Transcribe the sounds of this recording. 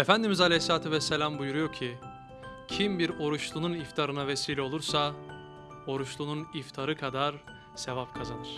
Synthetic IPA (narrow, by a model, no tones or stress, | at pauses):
efænd̪imizalʲejslʲaːt̪ʰuvɛsːelʲambujuɾujo̞ɾcʰi | cʰimbiɾo̞ɾuʃlˠununift̪ʰaɾɯnavesiːlʲɛo̞lˠuɾsa | o̞ɾuʃlˠununift̪ʰaɾɯkʰad̪aɾ | se̞vapkʰazanɯɾ̥